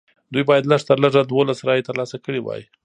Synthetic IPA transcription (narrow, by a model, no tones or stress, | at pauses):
d̪ujbɑjad̪ləʂt̪əɾləʐad̪wolasɾɑjet̪əɾlɑsakəɽiwɑ̰ji